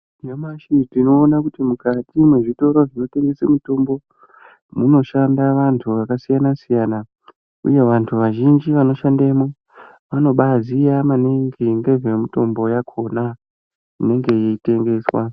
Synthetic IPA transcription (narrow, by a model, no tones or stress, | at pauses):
amaʃitino̞ːnakutimukatimwe̞ʐito̞ɾoʐino̞te̞ŋɡe̞semuto̞mbo̞ | muno̞ʃandaʋantʰuʋakasijanasijaːna | ṵje̞ʋantʰuʋaʒind͡ʒiʋano̞ʃandeme | ʋano̞ɓazijamaneŋɡiŋɡe̞ʐemito̞mbo̞jakʰo̞na | ine̞ŋɡe̞jeite̞ŋɡe̞swa